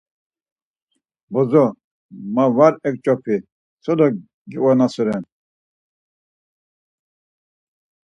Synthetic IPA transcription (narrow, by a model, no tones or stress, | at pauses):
bɔzɔ | mavaɾɛk̚t͡ʃʼɔpʰi | sʰɔd̪ɔ | ɡiwɔnasɔɾɛn